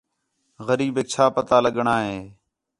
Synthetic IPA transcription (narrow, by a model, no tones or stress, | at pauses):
ɣəɾiːbeːk̚t͡ʃʰaːpət̪aːləɠɳaːɦẽː